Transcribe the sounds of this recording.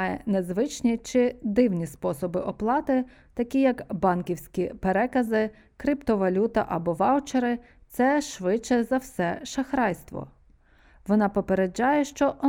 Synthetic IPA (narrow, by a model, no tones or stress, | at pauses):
jɛ̰nezʋɪt͡ʃnʲit͡ʃɪd̪ɪwnʲispɔsɔbɪʔɔplˠɑt̪ɪ | t̪ɐkʲijɐkbɑnkʲiwsʲkʲipeɾɛkɐzɪ | kɾʲipt̪ɔʋɐlʲut̪ɐ̰ʔɐbɔʋɑwt͡ʃeɾɪ | t̪sɛʃʋɪt͡ʃːɛzɐwsɛʃɐxɾɑjst̪ʋɔ̰ | ʋɔnɑpɔpeɾed͡ʒːɑjɛʃt͡ʃɔʔɔ